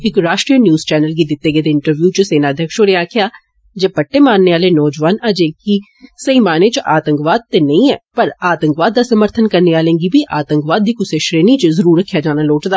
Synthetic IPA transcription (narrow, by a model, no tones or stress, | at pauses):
ɪkɾaːʃʈɾiːənjuːzt͡ʃɛːnəlɡiːd̪ɪt̪ːeːɡeːd̪eːɪɳʈəɾʋjuːt͡ʃəseːnaːd̪ʱjəkʃoːɾeːaːkʰɪjaː | d͡ʒeːpəʈːeːmaːnːeːaːleːnɔːd͡ʒʋaːnəd͡ʒẽːki | səiːmaːneːt͡ʃʔaːt̪əŋkʋaːd̪̚t̪eːnəĩːɛ̰ːpəɾaːt̪əŋkʋaːd̪̚ːaːsəməɾt̪ʰənkəɾneːaːlẽːŋɡiːbiːʔaːt̪əŋkʋaːd̪̚ːiːkʊseːʃɾeːniːt͡ʃzəɾuːɾːəkʰːjaːd͡ʒaːnaːloːʈd̪aː